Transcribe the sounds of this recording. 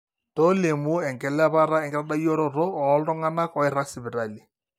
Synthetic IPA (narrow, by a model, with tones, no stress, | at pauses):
tɔ˦le˨mu˦ɛ˨ŋɡɛ˨la˦βa˦ɾa˦ɛ˨ŋɡɛ˦ɾa˦da˦jɔ˦ɾɔ˦ɾɔ˦ɔ˨˦lɔ˦ŋa˦na˦kɔ˨ɪ˦ɾa˦sɪ˨bɪ˨ɾa˨li˨